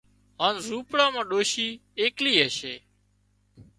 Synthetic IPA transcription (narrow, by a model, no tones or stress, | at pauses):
ɦaːnɾuːpɽãːmãːɗoːʃiːeːkliːɦəʃeː